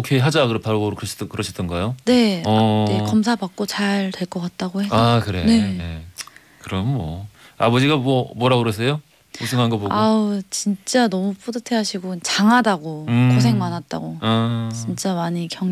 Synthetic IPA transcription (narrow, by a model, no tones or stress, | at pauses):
okʰeɦad͡ʑakɯɾʌtʰaɾoboɾokɯɾʌɕʰi̥dɯkɯɾʌɕʰid͈ɯnɡajone̞ekʌmsʰabak̚k͈ot͡ɕaɭtwe̞ɭk͈ʌk͈at̚t͈aɡohe̞sakɯɾḛne̞e | kɯɾʌmmwʌ̰abʌd͡ʑiɡamwʌmwʌɾaɡɯɾʌs̬ʰejo | usʰɯŋɦanɡʌboɡaɯt͡ɕint͡ɕ͈anʌmupʰodɯtʰe̞ɦaɕʰiɡot͡ɕaŋɦadaɡokʰos̬ʰe̞ŋmanat̚t͈a̰ɡoat͡ɕint͡ɕ͈amaɲikjʌŋ